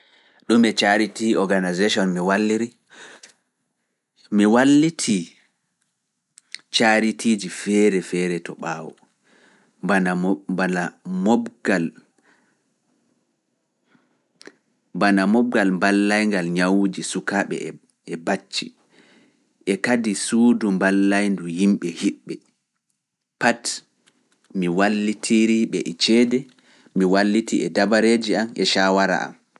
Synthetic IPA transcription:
ɗumɛt͡ʃaɾitiɔɡanazeʃɔnmiwalːiɾi | miwalːitʰi | t͡ʃaɾitʰiːd͡ʒifɛːɾɛfɛɾɛtɔɓaːwɔ̰ | anabanamɔɡal | banamɔb̚ɡalmbalːajŋɡalɲawud͡ʒisukaɓɛ̰ | ɛbat͡ʃːḭ | ʔɛkadisuːdumbalːajnduhimɓɛhiɓːɛ | pat | miwalːitʰiɾiɓɛʔɛt͡ʃɛdɛ | miwalːitiɛdabaɾeːd͡ʒiamɛʃawaɾa̰ʔa̰m

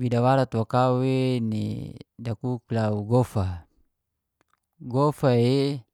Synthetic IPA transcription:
widawaɾat̪wakawenḭdakuklauɡofa | ɡofae

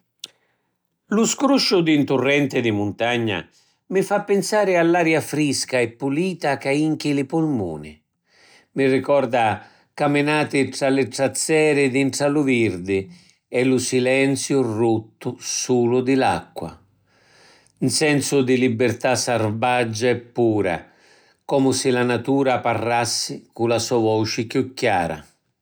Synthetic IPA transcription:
lʊskɾuʃːʊd̪int̪ʊrːɛnt̪ɪd̪ɪmʊnt̪aɲːa̰ | mɪfapːɪnsaːɾɪalːaːɾjafɾiskaɛpːuliːt̪akaiŋk̟ɪlɪpʊlmṵːnɪ̰ | mɪrɪkɔrd̪a | kamɪnaːt̪ɪʈ̪ɾalɪʈ̪ɾat̪sːɛːɾɪd̪inʈ̪ɾalʊvird̪ɪ | ɛlusilɛnt̪sjʊrut̪ːʊsuːlʊd̪ɪla̰kːwa̰ | nsɛnsʊd̪ɪlibɪrt̪asarbad͡ʒːaɛpːuːɾa̰ | kɔːmʊsɪlanat̪uːɾaparːasːɪkulasɔvɔt͡ʃɪkjukːjaːɾa̰

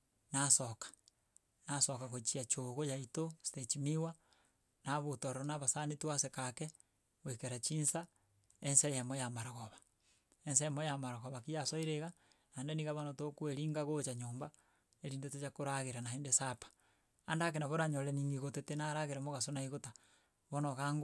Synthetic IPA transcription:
nasokḁ | nasokaɣot͡ʃiat͡ʃoɣojaitosi̥tet͡ʃimiwa | naβotoɾonaβasanituwasekake | wekeɾat͡ʃiːnsa | ensejamojamaɾaɣoβḁ | ensemojamaɾaɣoβakijasoiɾeɣa | nandeniɣaβonotokueɾiːŋɡaɣot͡ʃaɲoːmba | eɾiːndetot͡ʃakoɾaɣeɾanaendesapḁː | ndak̬enaβoɾaɲoleniŋɡiɣotetenaɾaɣeɾamoɣasonaiɣota | βonoɣaŋɡ

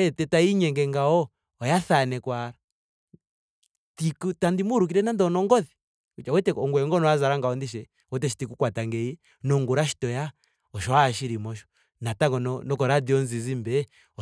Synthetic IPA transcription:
ɛtɛtaiɲɛŋɡɛŋɡaɔ | ɔjaθanɛkwaɾa | tikutandimuɾuk̬iɾɛnandɔnɔŋɡɔθi | uawɛtɛɔŋɡwɛŋɡɔnɔazaɾaŋɡaɔndiʃ̬ɛ | wɛtɛʃi̥tikukwataŋɡɛi | nɔŋɡuɾaʃi̥tɔja | ɔʃɔaːʃiɾimɔʃɔ̥ | nataŋɡɔnɔnɔkɔɾadiɔnzizimbɛ | ɔ

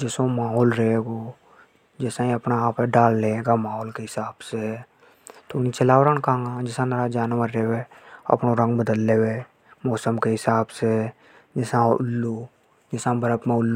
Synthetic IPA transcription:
d͡ʒɛːsõmaːɦoːlɾəɦeːɡoː | d͡ʒɛːsãĩɐpnaːpɛɖaːlːeeːɡamaːɦoːlkeɦɪsaːbse | t̪onit͡ʃəlaːwɾənkãːŋɡãd͡ʒɪsãnəɾad͡ʒaːnʋaɾːeweɐ̰pnoɾə̃ŋɡbəd̪əlːeːwe | mɔːsəmkeɦɪsaːbse | d͡ʒɛsãʊlːu | d͡ʒɪːsãbəɾəpmẽʊlː

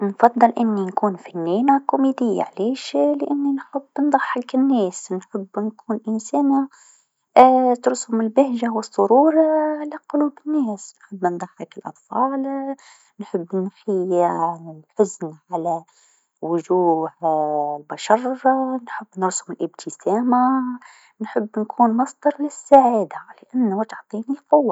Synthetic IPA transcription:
nfɑd̪ˤːɨlʔɪnːinkuːnfanːiːnakʊmid̪ɪjːa̰ʕleːʃlɪʔɪnːinħʊbːnd̪ˤɑħːɑkɪnːɛːsnħʊbːnkʰuːnʔɪnsæːna | t̪ɾshʊmɪlbɪhʒawɨsˤːʊɾuːɾˤalaqʊluːbɪnːɛːsnħɪbːnd̪ˤɑħɑkɪlʔɑ̰t̪ˤfɑːl | nħəbːnxɪjalħʊznʕalæ | wʊʒuːhlbaʃɑrˤnħəbːnɾshʊmɪlʔəb̚t̪ʰəsæːma | nħəbːnkʰuːnmɑsˤd̪ɑɾˤlɪsːaʕiːd̪alɪʔanːwt̪ʕt̪ˤiːnilqʊwːa

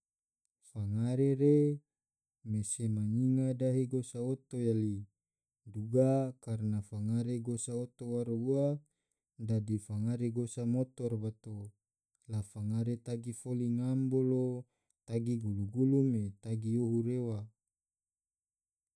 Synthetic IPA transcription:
faŋaɾeɾe | mesemaɲiŋadaɦeɡosaot̪ojali | duɡakarnafaŋaɾeɡosaot̪owaɾua | dadifaŋaɾeɡosamot̪ɔrbat̪o | lafaŋaɾet̪aɡifoliŋambolo | t̪aɡiɡuluɡulumet̪aɡioɦuɾewa

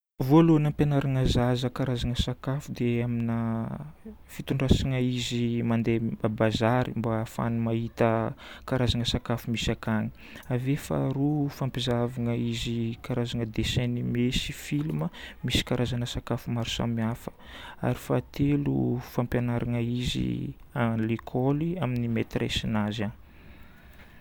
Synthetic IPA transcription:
volonampjanaɾaŋəzazəkaɾazaŋəsakafud̪eaminə | fit̪uɳɖ͡ʐasiŋəizimand̪ebabazaɾimbafa̰numahit̪əkaɾazaŋəsakafumisakaŋə̥ | avefa̰ɾufampizavaŋəizikaɾazaŋəd̪esɛnimesi̥filuməmisi̥kaɾazanəsakafumaɾusa̰miafə̥ | a̰ɾifat̪elṵfampjanaɾaŋəizḭalekʰɔliaminimet̪rʔḛsinazan

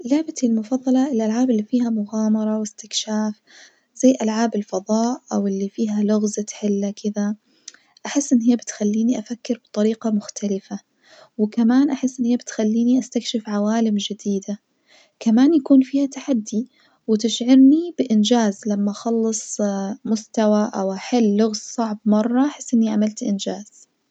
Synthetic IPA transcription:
laʕbat̪ɪlmʊfɑðˤːɑlɑʔɪlʔalʕaːbɪlːifiːhamʊɣaːmɑɾˤɑwɪst̪ɪkʃaːf | z̥ajːʔalʕaːbɪlfɑðˤɑːʔʔawɪlːifiːɦalʊɣzat̪ħɪlːakɪd̪a | ʔaħɪsːʔɪnːhijːabɪt̪xalːiːniʔafakːɪɾbɨ̥t̪ˤɑɾiːqɑmʊxt̪ʰalɪfa | wɪkamaːnʔaħɪsːʔɪnːhiːabɪt̪xalːiːniʔast̪akʃɪfʕawaːlɪmd͡ʒɪd̪iːd̪a | kamaːnjakuːnfiːhat̪aħad̪ːi | wɪt̪ɪʃʕɪɾnibɪʔɪnd͡ʒaːzlamːaʔxɑlːɨsˤmʊst̪awaʔawʔaħɪlːʊɣzsˤɑʕbmɑrˤːɑʔaħɪsːʔɪnːiʕamalt̪ʔɪnd͡ʒaːz̥

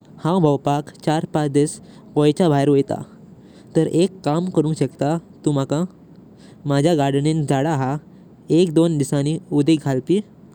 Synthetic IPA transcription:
hãbʱəwpakt͡ɕaɾpat͡sd̪is | kɔjt͡ɕabʱajɾʋɔjt̪a̰ | t̪əɾʔekːamkəɾũːɕəkt̪at̪uːm̤akã | mad͡ʑʱjaɡaɾɖnĩnd͡zaɽaɦa | ekd̪ond̪isãniud̪iɡʱalpi

